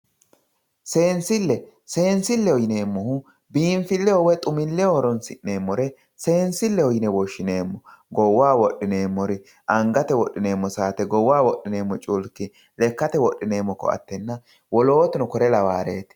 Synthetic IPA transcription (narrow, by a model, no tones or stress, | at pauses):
se̞ːnsɪlːɛ | se̞ːnsɪlːɛɔjɪne̞ːmːɔhʊ | biːɱfɪlːɛɔwɛt̪ʼʊmɪlːɛoːɾɔnsɪʔne̞ːmːɔɾɛ | se̞ːnsɪlːɛɔjɪnɛwɔʃːɪne̞ːmːɔɡɔwːaːwɔɗːɪne̞ːmːɔɾɪ | ʔɐŋɡɐt̪ɛwɔɗːɪne̞ːmːɔsaːt̪ɛɡɔwːaːwɔɗːɪne̞ːmːɔt͡ʃʼʊlkːɪ | lɛkːɐt̪ɛwɔɗːɪne̞ːmːɔkːɔ̰ɐ̰t̪ːɛnːɐ | wɔlo̞ːt̪ɪnɔkɔɾɛlɐwaːɾeːt̪ɪ̥